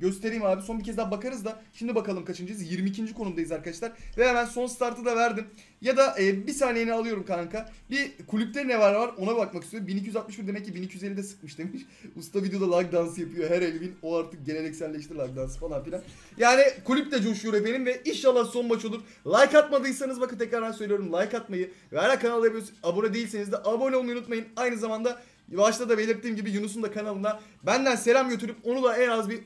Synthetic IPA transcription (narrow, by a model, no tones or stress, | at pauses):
ɟø̞st̪ʰeɾiːmaːbiso̞nbicʰɛzd̪abakaɾɯzd̪aʃimd̪ibakalˠɯmkat͡ʃʰɯnd͡ʒajɯzjiɾmiːcʰind͡ʒikʰo̞numd̪ajizaɾkad̪aʃlˠaɾvejaːbænso̞nsɯ̥t̪ʰaɾt̪ʰɯd̪avæɾd̪in | jad̪aʔɛːbisaːnejinialˠɯjo̞ɾumkʰaaŋkabikʰulʲyp̚t̪ʰenevɛɾlʲɛvaɾo̞nabakmakʰɯ̥st̪eɾumbinicʰijyzat̪mɯʃbiɾd̪e̞mɛc̬̚ʲːibinicʰijyzelʲːid̪ɛsɯ̥kmɯʃd̪emiʃ | ust̪ʰavid̪ejo̞d̪alˠak̚d̪ansjapʰɯjo̞ɦæɾelʲvinoaɾt̪ʰɯk̚ɟe̞lʲeɾɛcsælʲːɛʃt̪ʰiɾlˠak̚d̪ansfalˠanfilʲan | jaːnikʰulʲyp̚t̪ɛd͡ʒoʃuɾefeninvɛinʃalˠːaːso̞nbat͡ʃo̞lˠuɾ | lˠajkat̪mad̪ɯjsanɯzbakʰɯnt̪ʰɛcɾaɾd̪ansølʲijo̞ɾumlˠajkat̪majɯ | vɛɾækʰːanalˠːaɾbiijosnabonad̪eilʲsenizd̪ɛʔabonʲeonujunut̪majɯnajnɯzamand̪a | vaʃlˠad̪abe̞lʲiɾt̪ːiːmɟibijunus̬und̪akʰanalˠɯnd̪a | bænd̪ænse̞lʲamɟø̞t̪ʰyɾypo̞nulˠaɛnazbi